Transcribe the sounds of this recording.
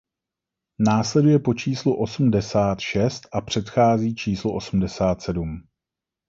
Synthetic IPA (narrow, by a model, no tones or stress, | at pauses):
naːslɛdujɛpo̞t͡ʃiːsluʔo̞sm̩dɛsaːt̪ʃɛst̪ʔapr̝̥ɛt̪xaːziːt͡ʃiːsloʔo̞sm̩dɛsaːt̪sɛdum